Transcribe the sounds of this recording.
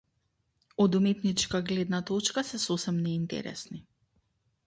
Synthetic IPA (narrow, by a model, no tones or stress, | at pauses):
ɔd̪umɛt̪nit͡ʃkaɡlɛd̪nat̪ɔt͡ʃkasɛsɔsɛmnɛint̪ɛ̰ɾɛ̰sni